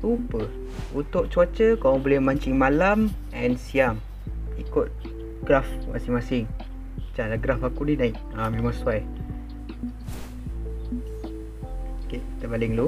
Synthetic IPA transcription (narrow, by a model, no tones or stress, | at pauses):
upə | ut̪ʊʔ̚t͡ʃuat͡ʃəkawaŋbolɛhmaɲt͡ʃɪŋmalam | ɛnsiam | ikʊt̪̚ | ɡ̥rafma̰sɪŋmasɪŋ | mat͡ʃalaɡɾafakuninaɪk | amemaŋsuaj | keit̪əpalɪŋlu